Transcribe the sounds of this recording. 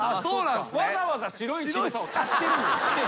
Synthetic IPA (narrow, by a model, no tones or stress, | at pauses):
oːãβazaβazaɕiɾo̞it͡ɕimsat̪ʰaɕi̥t̪eɾɯ̟̃nd̪aɕi̥t̪e